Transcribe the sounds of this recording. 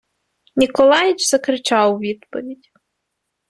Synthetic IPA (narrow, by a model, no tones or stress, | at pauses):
nʲikɔlˠɑjɪt͡ʃzɐkɾɪt͡ʃɑwʋʲid̪pɔʋʲidʲ